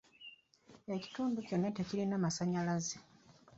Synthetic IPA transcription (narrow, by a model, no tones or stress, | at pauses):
eci̥tuːnduco̞nːateciɾinamasaɲalaze